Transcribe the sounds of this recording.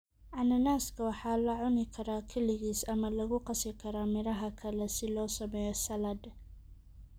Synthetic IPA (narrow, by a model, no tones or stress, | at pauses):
ʕɑnɐnaːskʰɐwɑħɑːlɐʕʊnɪkʰɐɾaːkʰɛlɪɣiːsɐmɐlɐɣʊqɑsɪkʰɐɾaːmɪɾɐɦɐkʰɐlɛsɪlɔːsɐmɛjɔsɐlɐd̪